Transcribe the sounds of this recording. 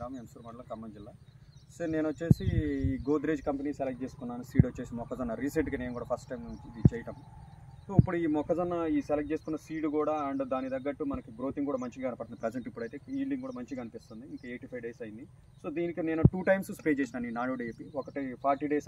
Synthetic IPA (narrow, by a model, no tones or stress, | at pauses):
aːmensuɾmɐɽɐlɐkɐmːɐɲd͡ʒilːaː | sone̞ːnʋɐt͡ʃːe̞ːsiːɡoːd̪ɾeːd͡ʒkɐmpeniːselɐk̚t͡ʃeːsu̥kunːaːnisiːʈʋɐt͡ʃːe̞ːsimɔkːɐd͡ʒɐnːɐɾiːseɳʈɡane̞ːnkuːɽaːpʰɐsʈʈɐjmit͡ʃɛːjɐʈɐm | soːipːuɽuiːmɔkːɐd͡ʒɐnːɐiːsɛlɐk̚t͡ʃe̞ːsu̥kunːɐsiːʈukuːɽaːɐɳɖd̪aːnid̪ɐɡːɐʈːumɐnɐkiɡɾoːt̪iŋkuːɽaːmɐɲt͡ʃiɡaɐnɐpɐɽt̪unipɾɛd͡ʒeɳʈipːuɽɐjt̪eːiːlɖiŋɡkuːɽaːmɐɲt͡ʃiɐnipist̪und̪iiŋkɐeːʈipʰɐjʋɖeːsɐjind̪i | so̞ːd̪iːnikine̞ːnuʈuːʈɐjmsspɾeːt͡ʃeːs̬inaːniːnaːɽoːɖeepiɔkɐʈipʰaːɾʈiɖes